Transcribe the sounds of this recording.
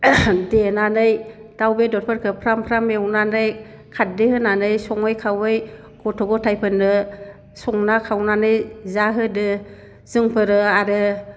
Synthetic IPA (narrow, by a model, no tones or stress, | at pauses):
denanɯjd̥awbedɔt̚pʰɯɾkʰɯpʰɾampʰɾamewnanɯj | kʰat̚dɯhɯnanɯjsɔŋɯjkʰawɯj | ɡ̥ʰɔtʰɔɡɔtʰajpʰɯnɯ | sɔŋnakʰawnanɯjzaɦɯdɯ | z̥ɯŋpʰɯɾɯaɾɯ